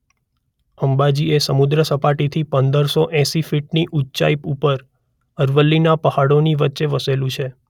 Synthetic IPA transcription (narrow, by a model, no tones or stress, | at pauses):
əmbad͡ʒiesəmud̪ɾəsəpaʈit̪ʰipənd̪əɾsoʔɛ̃sifiʈniʔutːt͡ʃa̰ipupəɾ | əɾʋəlːinapəhaɽoniʋətːʃeʋəselũt͡ʃʰe